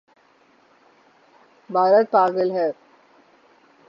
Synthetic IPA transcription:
bʱaːɾət̪̚paːɡəlɦɛ

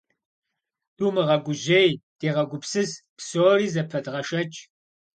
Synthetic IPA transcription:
d̥uːmɨʁɐɡʷʊʑejd̥eːʁɐɡʷʊpsɨzpsoːriːzɐpʰɐdʁɐʃɐt͡ʃʼ

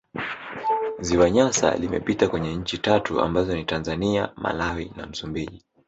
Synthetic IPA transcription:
ziwaɲasa̰limɛ̰pitakwɛɲɛɲ̩t͡ʃitatua̰mbazɔnitanzaniamʔa̰lawina̰m̩sumbiʄi

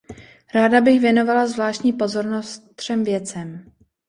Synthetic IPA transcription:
ɾaːdabɪxvjɛno̞valazvlaːʃcɲiːpo̞zo̞ɾno̞st̪t̪r̝̥ɛmvjɛt͡sɛm

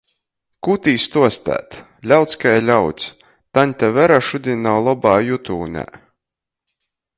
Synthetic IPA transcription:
kut̪iːst̪uɔst̪æ̰ːt̪ | lʲawt̪skajlʲawt̪sʲ | t̪anʲt̪avɛɾaʃud̪ʲinawlˠɔbaːjut̪uːnʲæ̰

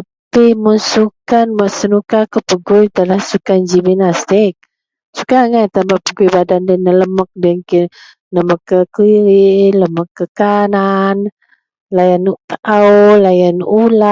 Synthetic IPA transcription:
ta | pimənsukanmaʔsənukakəpəɡʊjt̪əlahsukand͡ʒiminast̪ɪk̚ | sukaŋajt̪ambaʔpəɡujbadandənələmək̚dəŋki | ləməkːəkiɾiləməkːəkanan | lajanut̪aʔawlajanula

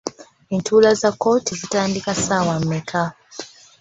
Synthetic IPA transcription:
entʰuːlazakːo̞ːtizitaːndikasaːwamːekʰa

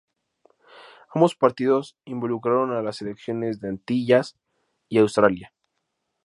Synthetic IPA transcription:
ambo̞spaɾt̪iðo̞simbo̞lukɾaɾo̞nalase̞le̞ksjo̞ne̞zðeant̪iʝas | iawst̪ɾalja

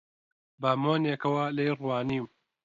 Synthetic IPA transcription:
baːmoːnekɐwɐlɐjrwaːniw

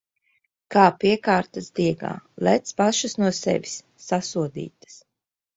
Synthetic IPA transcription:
kaːpiɛkaːɾt̪asd̪iɛɡa̰ːlæt̪spaʃasnuɔsɛ̰vʲisːasuɔd̪ḭːt̪ḁs

